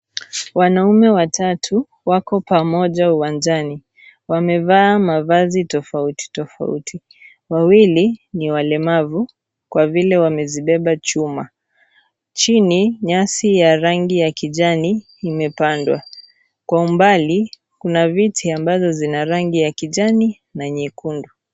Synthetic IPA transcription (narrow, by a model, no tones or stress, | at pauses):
wanaumɛwatʰatʰu | wakɔpamɔʄauwand͡ʒani | wamɛvaːmavazitɔfauti̥tɔfa̰ṵtʰi | wawiliniwalɛmavu | kwavilɛwamɛziɓɛɓat͡ʃuma | t͡ʃiniɲasijaɾaŋɡijakiʄaniː | mɛpandwa | kwaumbali | kunavitʰiambazɔzinaɾaŋɡijakiʄani | naɲikundu